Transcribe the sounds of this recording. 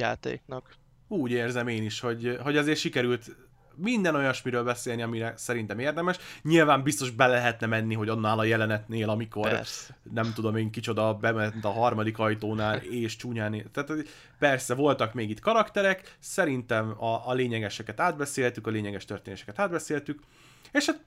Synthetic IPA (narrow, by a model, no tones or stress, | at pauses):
ja̰ːt̪ḛːknɒk | uːɟeːrzɛmeːniʃho̞ɟɦo̞ɟɛzeːrʃikɛɾylt̪ | mind̪ɛno̞jɒʃmiɾøːlbɛseːlniɒmiɾɛsɛɾint̪ɛmeːrd̪ɛmɛʃɲilvaːmbist̪o̞ʒbɛlɛɛɦɛt̪nɛmɛnːiɦo̞ɟonːaːlɒjɛlɛnɛt̪neːlɒmiko̞r̰ | nɛmt̪ud̪o̞meːŋkit͡ʃo̞d̪ɒbɛmɛnt̪ɒɦɒrmɒd̪ikɒjt̪oːnaːleːʃt͡ʃuːɲaːneːt̪aːt̪ho | pɛrsɛvo̞lt̪ɒkmeːɡit̪kɒɾɒkt̪ɛɾɛksɛɾint̪ɛmɒʔːleːɲɛɡɛʃɛkɛt̪aːd̪̚bɛseːlt̪ykɒleːɲɛɡɛʃt̪ørt̪eːnːʃɛ̥kɛt̪aːd̪bɛseːlt̪yk | eːʃhat̪